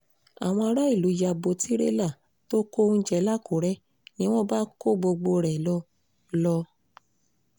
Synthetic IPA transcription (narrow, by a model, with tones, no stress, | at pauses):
a̰˨w̃ɔ̃˧a˧ɾa˦i˦˨lu˨˦ja˧bo˧˦ti˦ɾḛ˦la˦˨ | to˦ko˦n̩˦d͡ʒɛ˧˦la˦˨ko˨˦ɾɛ˦ | jĩ˦w̃ɔ̃˦ba˦ko˦ɡ͡bo˧ɡ͡bo˧ɾɛ˨lɔ˧˦ | lɔ˧